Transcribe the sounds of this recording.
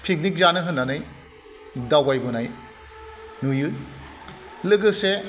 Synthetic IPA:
pʰik̚nik̚zanɯɦɯnːanaj | dawajbɔnaj | nujɯ | lɯɡɯse

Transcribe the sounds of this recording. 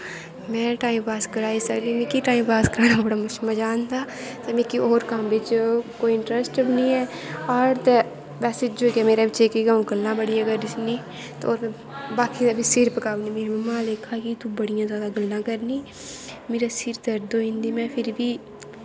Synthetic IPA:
mɛ̃ːʈaːĩmpaːskəɾaːisɐɡlimẽkiʈaːimpaːskəɾaːnabəɽamɐt͡ʃmɛ̃d͡ʒaːnt̪aːt̪ɛmẽkiʔoːɾkambɪt͡ʃkoːiɪ̃ɳʈɾəsʈəbnĩɛː | ɔːɾt̪ɛ | ʋɛːsed͡ʒoːkɛmeːɾabɪt͡ʃekiɡãɡəlːãbəɽĩɐɡəɾɪsni | t̪ooːɾ | baːkiebʱisɪɾpəkaːʋnimeːɾmɛ̃mãːleːkʰakit̪ubɐɽ̤ijãzjaːd̪aɡəlːãkəɾniː | meːɾasɪɾd̪ɐɾd̪oːɪ̃nd̪imɛ̃ːpʰɪɾbʱiː

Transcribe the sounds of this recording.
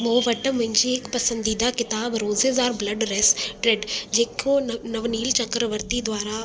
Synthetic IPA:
moːʋəʈəmɪ̃ɲd͡ʒieːkpɐsə̃nd̪id̪akɪt̪aːbɾoːzezaːɾbləɖɾɛsʈɾeɖd͡ʒeːkʰonɐʋniːlt͡ʃɐkɾəʋəɾt̪id̪waːɾa

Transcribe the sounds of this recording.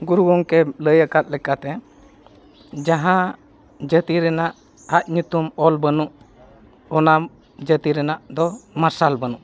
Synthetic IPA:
ɡuɾuɡɔŋkɛləjəkat̪̚lɛkat̪ɛ | d͡ʒaɦã | d͡ʒət̪iɾɛnaʔ | at̪̚ɲut̪umɔlbənuʔ | ɔna | d͡ʒət̪iɾɛnaʔd̪ɔmaɾsalbənuʔ

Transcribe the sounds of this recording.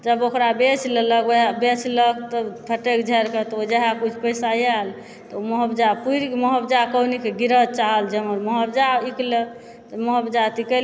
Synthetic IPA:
d͡ʒəbokɾabet͡ʃʰlləkebet͡ʃʰləkt̪ɔpʰəʈekd͡ʒʱəɾket̪ɔod͡ʒeɦakut͡ʃʰpəjsajal | t̪ɔməɦəbd͡ʒapuɾikməɦəbd͡ʒakəwnikeɡiɾəd͡ʒ̚t͡ʃaɦəld͡ʒeməɾməɦəbd͡ʒaiklək | t̪ɔməɦəbd͡ʒat̪ikəl

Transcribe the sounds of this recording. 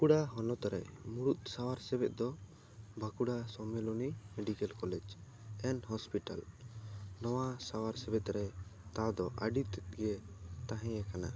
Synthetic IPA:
kuɽaɦɔnɔt̪ɾɛ̰muɽut̪̚ˀsawaɾsɛbɛt̪̚ˀd̪ɔ | bakuɽasɔmɛlɔnimɛɖikɛlkɔlɛd͡ʒ | ɛnɦɔspiʈa̰l | nɔwasawaɾsɛbɛt̪ɾɛt̪ad̪ɔʔaɖit̪ɡɛt̪ãɦɛ̃ɛkana̰

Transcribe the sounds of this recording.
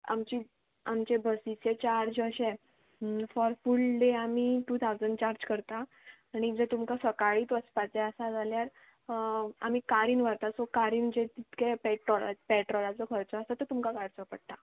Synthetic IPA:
a̰mt͡ɕi | amt͡ɕebʱəsit͡set͡ɕaɾd͡ʑəɕɛ̃ | fɔɾfulɖeamiːʈuːt̪ʰawd͡zənt͡ɕaɾd͡ʑkəɾt̪aː | ɽ̃id͡zət̪umkasəkaɭiːt̪ʋəspat͡sɛəsad͡zʱaljaɾ | am̤iːkaɾiːnʋaɾt̪asokaɾiːnm̤əd͡ʑẽt̪it̪kɛpɛʈɾɔla̰pɛʈɾɔlat͡səkʰəɾt͡sɔəsat̪ət̪umkakaɽt͡səpəɽ̚t̪a

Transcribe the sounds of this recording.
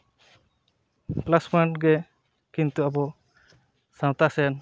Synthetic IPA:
plaspaɳʈɡɛ | kint̪uabɔ | sãwt̪asɛn

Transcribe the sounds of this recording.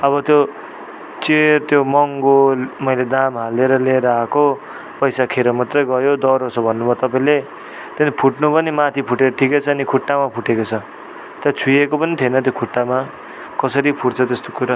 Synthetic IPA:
ʌβʌt̪jo | t͡sert̪jomʌŋɡomʌjled̪amɦaleɾʌleɾʌako | pʌjsakʰeɾomat̪rʌjɡʌjod̪ʌɾot͡sʰʌbʱʌnːubʱʌt̪ʌpaĩle | t̪enpʰuʈnupʌnimat̪ʰipʰuʈeɾʌʈʰiket͡sʰʌːnikʰuʈːamapʰuʈekot͡sʰʌ | t̪jat͡sʰujekopʌnit̪ʰienʌt̪̬jokʰuʈːama | kʌsʌɾipʰuʈt͡sʰʌt̪est̪okuɾa

